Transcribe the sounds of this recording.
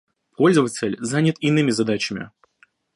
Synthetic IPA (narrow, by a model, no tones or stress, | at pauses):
pʰo̞lʲzəvət͡sʲɪlʲzanʲɪt̪ɪnɨmʲɪzɐd̪at͡ɕɪmʲɪ̰